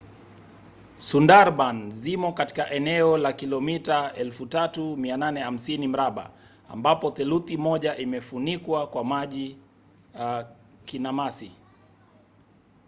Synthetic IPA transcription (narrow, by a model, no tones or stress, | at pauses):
sundaɾɓanzimɔkati̥kaʔɛnɛɔlakilɔmitaɛlfutatumiananɛham̩sinim̩ɾaɓa̰ | a̰mbapɔθɛluθimɔʄaʔimɛfunikwakwamaʄi | a | kinamasi